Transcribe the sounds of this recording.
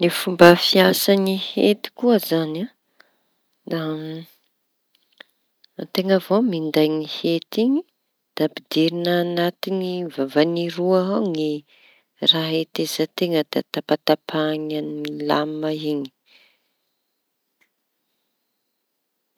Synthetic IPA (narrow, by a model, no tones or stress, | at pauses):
nifumbəfiasanihḛt̪i̥kuəzana | d̪a | t̪eŋəvomind̪ajŋihet̪iɲi | d̪̥apid̪iɾinaːnat̪inivavaniɾuaɦaŋi | raɦet̪ezat̪eŋəd̪a̰t̪apat̪apʰaɲanilamaiɲi̥